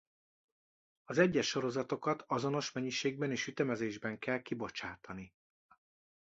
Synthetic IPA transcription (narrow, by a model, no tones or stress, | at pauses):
ɒzɛɟːɛʃːo̞ɾo̞zɒt̪o̞kɒt̪ɒzo̞no̞ʃmɛɲːiʃeːɡ̚bɛneːʃyt̪ɛmɛzeːʒbɛŋkɛlkibo̞t͡ʃaːt̪ɒni